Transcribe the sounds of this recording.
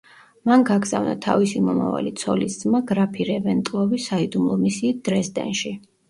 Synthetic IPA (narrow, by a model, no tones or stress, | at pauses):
manɡaɡza̰vna̰t̪ʰa̰visimɔma̰va̰lit̪sʰɔlisd̪zmaɡɾapʰiɾɛvɛnt̪ʼlˠɔvisaid̪umlˠɔmisiːt̪̚d̪̥ɾɛsd̪ɛ̰nʃi